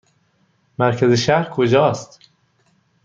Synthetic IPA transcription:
mæɾkʰæzeʃæɾkʰod͡ʒɒːst̪

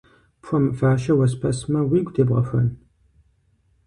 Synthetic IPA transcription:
pʰʷɔmɨfaːʃɐwɐspʰɐsmɐwiːɡʷdeːbʁɐ̰xʷɐ̰n

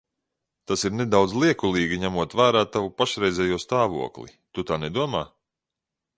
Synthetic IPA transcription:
t̪asiɾned̪awd̪zlˠiɛkulˠiːɡiɲæmuɔt̪væːɾaːt̪avupaʃɾɛjzʲɛːjuɔst̪aːvṵɔklˠḭ | t̪ut̪aːnɛd̪uɔmaː

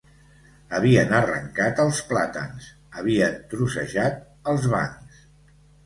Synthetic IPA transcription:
əβ̞iənərə̰ŋkat̪əlˠsplat̪ə̰ns | əβ̞iənt̪ɾusə̰ʒat̪̚ | əlˠzβa̰ns

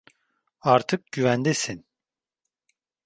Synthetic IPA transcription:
aɾt̪ʰɯk̚ɟyvænd̪esin

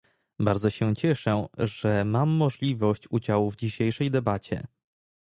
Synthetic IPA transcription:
baɾd̪zɔɕɛt͡ɕɛʂɛʐɛmamːɔʐlʲivɔɕt͡ɕud͡ʑawuvd͡ʑiɕejʂɛjd̪ɛbat͡ɕɛ̰

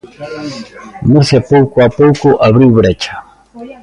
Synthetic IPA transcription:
mʊsapowkwapowkʊʔaβɾiwβɾet͡ʃḁ

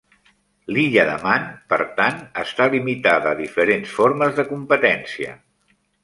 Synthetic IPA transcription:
liʎəðəmanpə̰ɾt̪anəst̪alimit̪aðəːðifəɾensfoɾməzðəkumpət̪ɛnsiə̰

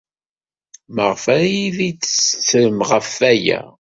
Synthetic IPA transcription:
məʁfæjiðit͡ssθɾəmʁəfːæjæ̰

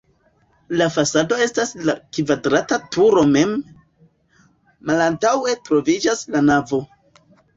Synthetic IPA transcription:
lafasado̞e̞staslakvadɾatatuɾo̞me̞m | alantawe̞tɾo̞vid͡ʒaslanavo̞

